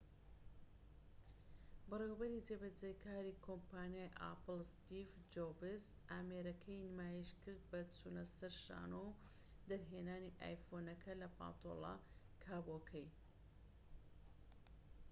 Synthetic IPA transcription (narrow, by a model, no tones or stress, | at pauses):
bɨrewbɐɾizebɐd͡ʒejkʰaːɾikʰompaːnijaːjʔa̰ːpɨlˠst̪ivd͡ʒobɪz | aːmeɾɐkʰɐjnmaːjiʃkɨɾd̪̚bɐt͡sʰuːnɐsɐɾʃa̰ːnow | d̪ɐɾɦeːnaːniʔa̰ːjfonɐkʰɐlɐpa̰ːt̪ʰo̰lˠɑ̰ | kʰaːbokʰɛj